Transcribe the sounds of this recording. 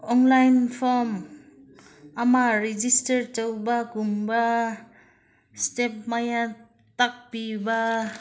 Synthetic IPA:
ɔnlajnpʰɔm | amaɾid͡ʒistaɾtawbaɡumba | step̚maja | t̪ak̚piba

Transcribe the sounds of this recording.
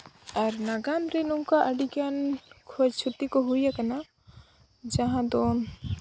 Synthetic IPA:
aɾnaɡamɾɛnuŋkaʔəɖiɡankʰɔd͡ʒt͡ʃʰut̪ːikɔɦujakana | d͡ʒaɦãd̪ɔn

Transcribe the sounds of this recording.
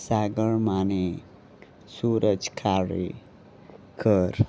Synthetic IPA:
saɡəɭmane | suɾʔəd͡ʒkʰaɽḛ | kʰəɾ

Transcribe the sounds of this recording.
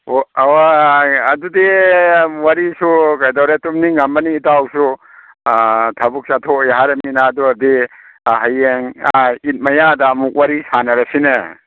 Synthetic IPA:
owaɐdudi | waɾisukajdawɾetumniŋambɐniːtawsu | tʰɐbuk̚satʰojaɦaɾɐminaduadi | ɦajeŋait̚mɐjadamuk̚waɾisanɐɾɐsinɐ

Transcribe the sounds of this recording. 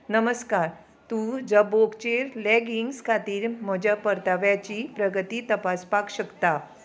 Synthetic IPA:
nəməskaɾ | t̪ũːd͡zəbokt͡ɕeɾlɛɡiŋɡskʰat̪iːɾm̤əd͡ʑapəɾt̪aʋjat͡ɕipɾəɡət̪it̪əpaspakɕəkt̪a

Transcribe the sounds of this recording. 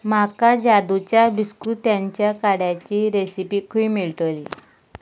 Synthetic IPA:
makad͡ʑad̪ut͡ɕjabiskɾut̪jaɲt͡ɕjakaɽjat͡ɕiɾesipiːkʰuimiɭt̪əli

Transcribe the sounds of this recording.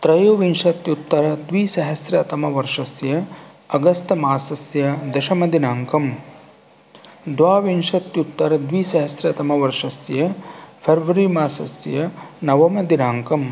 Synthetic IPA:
t̪ɾɐjoʋinʂɐt̪jut̪ːɐɾɐd̪ʋiːsɐɦɐsjɐt̪ɐmɐʋɐɾʂɐsjɐ | ɐɡɐst̪ɐmaːsɐsjɐd̪ɐʃɐmɐd̪inaːŋkɐm | d̪ʋaːʋinʂɐt̪jut̪ːɐɾɐd̪ʋiːsɐɦɐsɾɐt̪ɐmɐʋɐɾʂɐsjɐpʰɐɾʋɐɾimaːsɐsjɐnɐʋɐmɐd̪inaːŋkɐm

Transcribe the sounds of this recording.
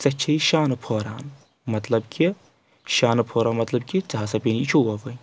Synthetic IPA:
t͡sɐt͡ʃʰɐʃaːnɨpʰoːɾa̰ːn | mɐt̪lɐbkʰi | ʃaːnɨpʰoːɾaːnmɐt̪lɐbkit͡saɦɐsɐpʲinit͡ʃʰoːwɐʋɐ

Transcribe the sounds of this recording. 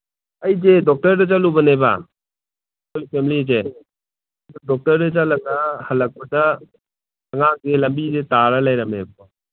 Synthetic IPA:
ɐjzedɔk̚tɐɾdɐzalubɐneba̰ | kolpʰemlize | dudɔk̚tɐɾdɐzalɐɡɐhɐlɐk̚pɐdɐ | ɐŋaŋ̚zelɐmbizetaɾɐlajɾɐmebo

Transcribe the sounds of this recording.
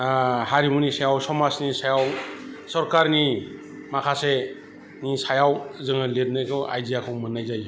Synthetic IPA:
haɾimunisajawsɔmasnisajawsɔɾkaɾni | makʰase | nisajawzɯŋɯleɾnɯjkʰɯʔa̰jzijakʰɯwmɯnːajzaj

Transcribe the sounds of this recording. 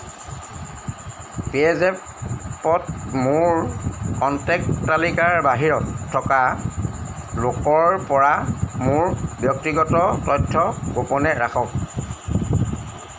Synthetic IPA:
piɛzɛ | pɔt̚mʊɹkɔntɛk̚talikaɹbaɦiɹɔtʰːɔka | lokɔɹpɔɹamʊɹbjɔk̚tiɡɔtɔtɔjtʰːɔɡopɔnɛɹaxʰɔk

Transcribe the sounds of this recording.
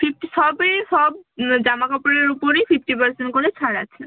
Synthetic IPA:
fʰip̚ʰʈiʃɔbeʃɔbd͡ʑamakɔpoɽeɾupoɾejfʰipʈipaɾsenʈ̚koɾet͡ɕʰaɽat͡ɕʰe

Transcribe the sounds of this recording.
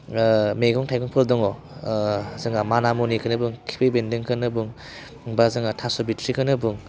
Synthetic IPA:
meɡɔŋtʰajkʰɔŋpʰɯldɔŋɔ | zɯŋamanamonikʰɯnɯbuŋkʰi̥pʰebendɯŋkʰɯnɯbuŋ | bazɯŋatʰasɔbitʰɾikʰɯnɯbuŋ

